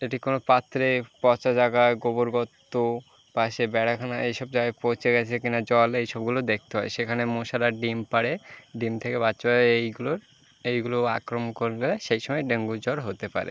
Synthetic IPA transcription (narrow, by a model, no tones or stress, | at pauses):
eʈikonopat̪ːɾepɔt͡ɕad͡ʑaɡaeɡoboɾɡɔt̪ːo | paʃebɛɽakʰanaejʃɔb̚d͡ʑaɡaepowt͡ɕʰeɡɛt͡ɕʰekinad͡ʑɔlejʃɔbɡulod̪ek̚ʰt̪eɦɔeʃekʰanemoʃaɾaɖimpaɽeɖimt̪ʰekebat͡ɕaaejɡuloɾ | ejɡuloakɾomkoɾɡeleʃejʃɔmɔeɖeŋɡud͡ʑɔɾɦot̪epa̰ɾḛ